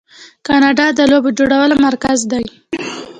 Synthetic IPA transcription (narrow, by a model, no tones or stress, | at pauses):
kɑnɑɖɑd̪əlobod͡ʒoɽawəlomaɾkazd̪aj